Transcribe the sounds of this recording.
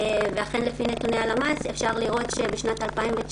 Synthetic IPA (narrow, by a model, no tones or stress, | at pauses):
veaχenlefinetunealamasefʃaʁliʁo̞t̪ʃebeʃnat̪alpaimvet͡ʃ